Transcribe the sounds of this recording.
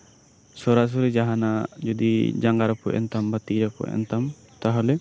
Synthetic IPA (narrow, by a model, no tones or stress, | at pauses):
sɔɾaʔs̬ɔɾɛd͡ʒaɦanad͡ʒɔd̪ḭd͡ʒaŋɡaɾɔpɔ̰ʔɛ̰nt̪ambat̪iʔɾapɔ̰ʔɛ̰nt̪am | t̪aɦɔlɛ